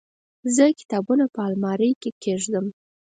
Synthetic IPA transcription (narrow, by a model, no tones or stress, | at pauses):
zəkɪ̥t̪ɑbunapəɑlmɑɾəjkekʰeʐd̪əm